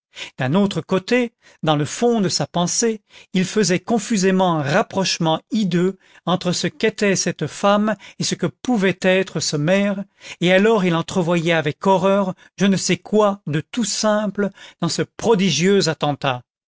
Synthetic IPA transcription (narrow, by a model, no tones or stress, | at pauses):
d̪̥ɛ̃not̪χəkot̪e | d̪ɑ̃ləfɔ̃d̪əsapɑ̃seilfəzɛkɔ̃fyzemɑ̃ɛ̃ʁapχɔʃmɑ̃id̪ø | ɑ̃t̪χəsəket̪ɛsɛt̪famesəkəpuvɛt̪ɛt̪χəsəmɛʁealɔʁilɑ̃t̪χəvwajɛavɛkɔʁœʁ | ʒənəsɛkwad̪ət̪usɛ̃pləd̪̥ɑ̃səpχɔd̪iʒjøzat̪ɑ̃t̪a